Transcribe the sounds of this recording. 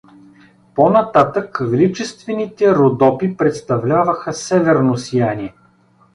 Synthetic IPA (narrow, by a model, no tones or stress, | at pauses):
ponɐt̪at̪əkvlit͡ʃɛst̪vɛnit̪ɛɾod̪ɔpipɾɛt̪st̪ɐvlʲavəxəsɛvɛɾnosijaniɛ